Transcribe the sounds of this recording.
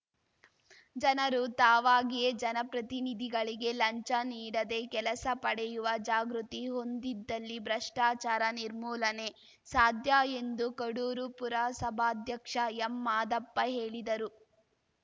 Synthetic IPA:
d͡ʒɐnɐɾut̪aːʋaːɡijed͡ʒɐnɐpɾɐt̪inid̪ʱiɡɐɭiɡe̞lɐɲt͡ʃɐniːɽɐd̪e̞kɛlɐsɐpɐɽɛjuʋɐd͡ʒaːɡɾut̪iɦo̞nd̪id̪ːɐlːibɾɐʂʈaːt͡ʃaːɾɐniɾmuːlɐne̞ | saːd̪ʱjaːe̞nd̪ukɐɽuːɾupuɾaːsɐbʱaːd̪ʱjɐkʂɐɛmːaːd̪ɐpːɐɦe̞ːɭid̪ɐɾu

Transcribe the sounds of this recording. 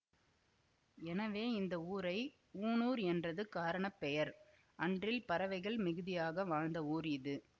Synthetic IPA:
ɛnɐʋeːɪnd̪ɐuːɾɐɪ | uːnuːɾɛndrɐðɯkaːɾɐɳɐpːɛjɐɾ | ʔɐndrɪlpɐɾɐʋɐɪɣɐɭmɪɣɯðɪjaːɣɐʋaːɻnd̪ɐuːɾɪðɯ

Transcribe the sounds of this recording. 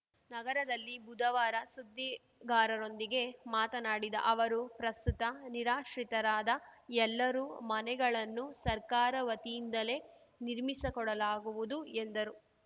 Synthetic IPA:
nɐɡɐɾɐd̪ɐlːibud̪ɐʋaːɾɐsud̪ːi | ɡaːɾɐɾo̞nd̪iɡe̞maːt̪ɐnaːɽid̪ɐ̰ʔɐʋɐɾupɾɐst̪ut̪ɐniɾaːʃɾit̪ɐɾaːd̪ɐɛlːɐɾuːmɐnɛɡɐɭɐnːusɐɾkaːɾɐʋɐt̪ijind̪ɐle̞ | niɾmisɐkɔɽɐlaːɡuʋud̪uend̪ɐɾu

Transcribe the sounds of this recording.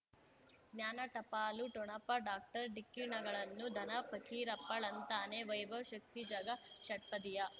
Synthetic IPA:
ɡnjaːnɐʈɐpaːluʈɔɳɐpɐɖaːk̚ʈɐɾɖikːiɳɐɡɐɭɐnːud̪ʱɐnɐpʰɐkiːɾɐpːɐɭɐnt̪aːneʋɐjʋɐʃɐk̚t̪id͡ʒɐɡɐʃɐʈpɐd̪ijɐ

